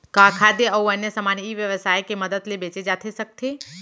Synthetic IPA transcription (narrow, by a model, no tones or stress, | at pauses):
kaːkʰaːd̪eɔɐnjəsəmaːnjiʋjəʋsaːjkemɐd̪əd̪lebeːt͡ʃed͡ʒaːt̪ʰesɐk̚t̪ʰeː